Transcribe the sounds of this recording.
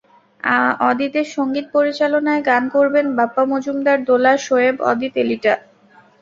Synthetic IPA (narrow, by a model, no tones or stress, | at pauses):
aɔd̪it̪eɾʃoŋɡit̪̚poɾit͡ɕalonaeɡankoɾbenbapːamod͡ʑumd̪aɾd̪olaʃoebɔ̰d̪it̪eliʈa